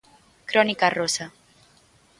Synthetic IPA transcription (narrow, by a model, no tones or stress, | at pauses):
kɾɔnikarosa